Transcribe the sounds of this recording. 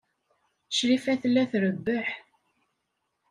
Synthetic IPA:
ʃɾifæθlːæθɾəbːəħ

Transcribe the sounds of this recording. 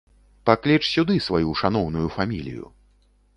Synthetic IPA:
paklʲit͡ʂsʲud̪ɨsvajuʂan̪ɔwn̪ujufamʲilʲḭjṵ

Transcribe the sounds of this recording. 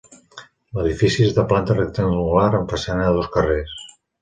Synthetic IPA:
ləðifisizðəplant̪ərekt̪enluɣaɾəmpasanaloskəres

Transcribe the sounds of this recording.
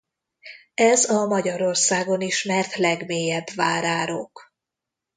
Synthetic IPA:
ɛzɒmɒɟɒɾo̞rsaːɡo̞niʃmɛrt̪lɛɡmeːjɛbvaːɾaːɾoːk

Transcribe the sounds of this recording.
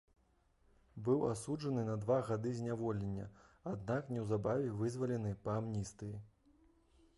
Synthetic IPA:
bɨwasud͡ʐɐnɨnɐd̪vaɣad̪ɨzʲnʲavɔlʲɛnʲːɐ̰ad̪naknʲɛwzabavʲɛvɨzvɐlʲɛnɨpɐamnʲist̪ɨji

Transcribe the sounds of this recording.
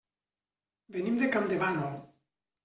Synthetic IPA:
benimd̪ekamd̪eβanol

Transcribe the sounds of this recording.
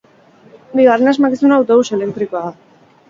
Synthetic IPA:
biɣarenazmakisunawt̪ousele̞k̚t̪ɾikoaða

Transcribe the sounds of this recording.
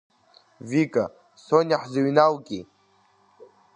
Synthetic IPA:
vikʼa | sonaħzaɥnawɡʲʼi

